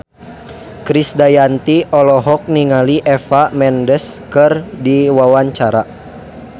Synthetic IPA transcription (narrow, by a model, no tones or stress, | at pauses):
kɾisdajant̪iʔɔlɔɦɔk̚niŋaliʔɛfamɛndəskɨrdiwawaɲt͡ʃaɾa